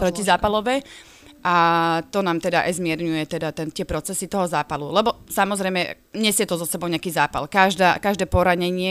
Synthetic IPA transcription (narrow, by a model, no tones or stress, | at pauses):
pɾɔcizaːpalɔʋɛ | ʔat̪ɔnaːmt̪ɛd̪aʔɛ̰zmɪɛɾɲujɛt̪ɛd̪at̪ɛnt̪ɪɛpɾɔt͡sɛsit̪ɔɦɔzaːpalulɛbɔsamɔzɾɛjmɛ | ɲɛzjɛt̪ɔzɔsɛbɔʊɲɛakiːzaːpa̰lkaʒd̪aːkaʒd̪ɛːpɔɾaɲɛɲɪɛ